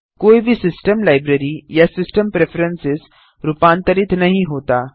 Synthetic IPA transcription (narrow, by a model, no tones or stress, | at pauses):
koibʱiːsisʈəmlajbɾeɾijasisʈəmpɾefəɾensis | ɾupãnt̪əɾiːt̪naɦiɦot̪a